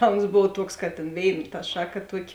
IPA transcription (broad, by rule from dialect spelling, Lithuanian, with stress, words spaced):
ˈtɐ oːns ˈboːw ˈtuɔks kɐt tʲeːn ˈʋʲeːɪn tɐ ˈʃɑːˌkɐ ˈtuɔˌkʲɪ